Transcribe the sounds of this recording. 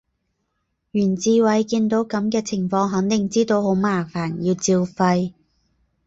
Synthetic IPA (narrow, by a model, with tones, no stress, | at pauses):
jyː˨˩nt͡siː˧wɐ˨˥jkiː˧nt̪o˨˥wkɐ˨˥mkɛː˧t͡sʰɪ˨˩ŋfɔː˧ŋɦɐ˨˥ŋt̪ɪ˨˩ŋt͡siː˥t̪o˧who˨˥wmaː˨˩faː˨˩njiː˧wt͡siː˧wfɐ˧j